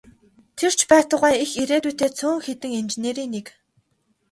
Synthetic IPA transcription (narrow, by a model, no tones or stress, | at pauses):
t̪ʰer̥t͡ɕʰpæːt̪ə̆ʁæːixiɾeːt̪uːt̪eːt͡sʰʊːŋxet̪ɘ̆ŋint͡ɕeneːɾiːnːek